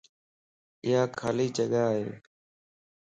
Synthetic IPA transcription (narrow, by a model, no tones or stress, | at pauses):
ɪɦaːkʰaːliːd͡ʒəɠaːɦḛː